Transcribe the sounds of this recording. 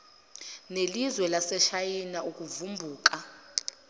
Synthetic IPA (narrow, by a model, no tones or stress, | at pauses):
nelizwɛlasɛʃajinauk̬ʼuvumbʱuːk̬ʼa